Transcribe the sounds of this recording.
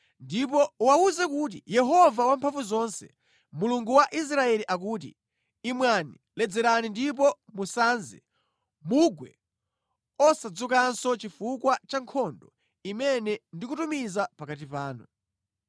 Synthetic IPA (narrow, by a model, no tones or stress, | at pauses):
ndipɔwauzɛkut̬ḭjɛɦɔvawampʰaɱvuzɔnsɛ̥̰ | muluŋɡuwaʔis̬ɾaɛliʔak̬uːtḭː | mwani | lɛd͡zɛɾanindip̬ɔmusanzɛ̰ | muɡwɛ̰ | ɔsad͡zukansɔt͡ʃifukwat͡ʃaŋkʰɔndɔ | imɛnɛndikutumizapakatipaːnu